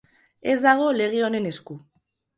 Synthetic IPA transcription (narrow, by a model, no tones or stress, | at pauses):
e̞zd̪aɣ̞o̞le̞ɣ̞eo̞ne̞ne̞sku